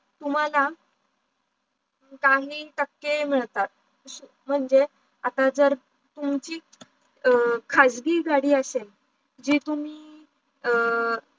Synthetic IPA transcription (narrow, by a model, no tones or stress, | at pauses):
t̪um̤ala | kaɦiːʈəkːem̤əɭt̪at̪̚ | su | m̤əɳd͡ze | at̪ad͡zəɾ | t̪umt͡ɕiː | kʰad͡zɡiːɡaɽiːəsel | d͡ʑiːt̪um̤iː